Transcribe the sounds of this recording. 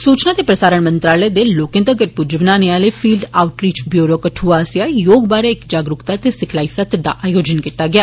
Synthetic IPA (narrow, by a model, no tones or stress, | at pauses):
suːt͡ʃnat̪epɾəsaːɾəɽ̃mɐ̃nt̪ɾaːləjd̪eloːkẽnd̪əɡəʈ̚pud͡ʒɪʋnaːneaːlefiːlɖaːʊʈɾiːt͡ʃbjuːɾokɐʈʰuaːsjajoːɡbaːɾeekd͡ʒaːɡɾʊkt̪at̪esɪkʰlaːisɐt̪ɾd̪a̰ʔaːjoːd͡ʒənkit̪aɡjaː